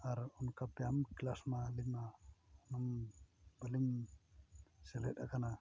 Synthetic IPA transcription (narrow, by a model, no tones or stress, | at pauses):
aɾɔnkap̚t̪eamklasmalinaɔnambəlim | sɛlɛta̰kana